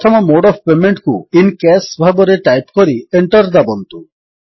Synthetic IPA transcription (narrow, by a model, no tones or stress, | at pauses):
ɔt̪ʰɔmɔmoɖɔbpemeɳʈkuinkɛsbʱabɔɾeʈajpkoɾieɳʈɔɾd̪abɔnt̪u